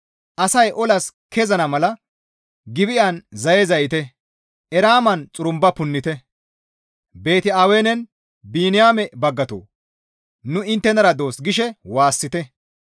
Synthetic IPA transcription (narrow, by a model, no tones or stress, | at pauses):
ʔɐsɐjʔɔlɐskɛzɐnɐmɐlɐ | ɡɪbɪʔɐnzɐjɛzɐjɪt̪ɛ | ʔɛɾaːmɐnt͡sʼʊɾʊmbɐpʊnːɪt̪ɛ | be̞ːt̪ɪaːweːnɛn | biːnɪjaːmɛbɐɡːɐt̪o̰ː | nʊɪnt̪ːɛnɐɾɐd̪o̞ːsɡɪʃɛwaːsːɪt̪ɛ